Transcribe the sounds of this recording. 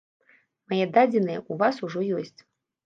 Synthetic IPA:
majɛd̪ad͡zʲɪnɨjɛ̰ʔuvasuʐɔjɔsʲt͡sʲ

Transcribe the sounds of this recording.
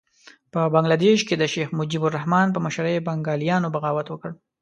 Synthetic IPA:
pəbaŋɡlad̪eʃked̪əʃexmʊd͡ʒibʊɾahmɑnp̬əməʃɾəjbaŋɡɑlijɑnobaɣɑwat̪wəkəɽ

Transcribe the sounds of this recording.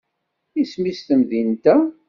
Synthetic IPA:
ismist̪əmðint̪æ

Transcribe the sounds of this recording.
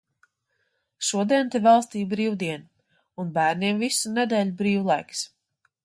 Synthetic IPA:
ʃuɔd̪iɛnt̪ivalˠst̪iːbɾiːwd̪iɛn | unbæːɾniɛmvisuned̪ɛːlʲubɾiːwlˠajks

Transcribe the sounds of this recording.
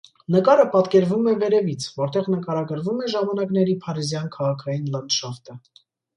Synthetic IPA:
nəkɑɾəpɑt̪kɛɾvumɛvɛɾɛvit͡sʰvɔɾt̪ɛʁnəkɑɾɑɡəɾvumɛʒɑmɑnɑknɛɾipʰɑɾizjɑnkʰɑʁɑkʰɑjinlənd̪ʃɑft̪ə

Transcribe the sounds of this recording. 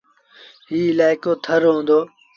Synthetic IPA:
ɦiːɪlaːɪkoːt̪ʰəɾɦõːnd̪oː

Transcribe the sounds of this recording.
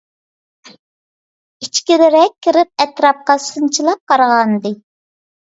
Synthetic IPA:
it͡ʃkʲilɪɾɛkʲʰːiɾɪp̚ɛt̪ɾɑp̚qɑsɨnt͡ʃʰilˠɑp̚qɑɾʁɑnd̪ɨ

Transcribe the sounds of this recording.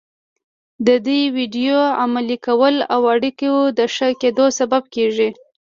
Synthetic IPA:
d̪əd̪ujwiɖijoamalikawəlawaɽikiwud̪əʂəked̪osabab̚keʒi

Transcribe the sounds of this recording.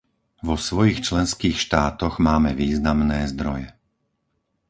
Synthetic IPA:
ʋɔsʋɔjixt͡ʃlɛnskiːxʃt̪aːt̪ɔɣmaːmɛʋiːznamnɛːzd̪ɾɔjɛ

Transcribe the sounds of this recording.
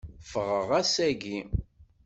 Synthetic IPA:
fəʁəʁæsæɡi

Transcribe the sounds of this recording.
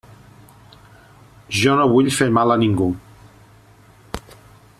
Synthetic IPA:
ʒɔnoβuʎfemaləniŋɡu

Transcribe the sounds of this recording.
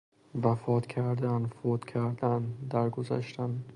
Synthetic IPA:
vafɒt̪kʲʰaɾd̪anfot̪kʲʰaɾd̪and̪aɾɡoza̰ʃt̪ʰan

